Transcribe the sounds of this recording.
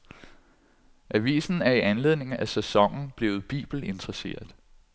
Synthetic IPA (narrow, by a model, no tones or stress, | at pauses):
ʔæʋḭːsn̩æɐiʔænle̝ð̞̰ˠne̝ŋ̩æsæsɒ̽ŋ̰n̩b̥le̝ːʊð̞̩ˠb̥ḭːb̥l̩e̝nd̥ʁɐse̝̰ːɐð̩ˠ